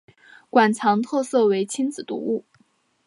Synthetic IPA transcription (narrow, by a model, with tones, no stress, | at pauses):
kwa˨˩nt͡sʰɑ˧˥ŋt̪ʰɤ˥˧sɤ˥˩we˧˥ɪt͡ɕʰi˥nt͡sɹ̩˨˩t̪ṵ˧˥u˥˩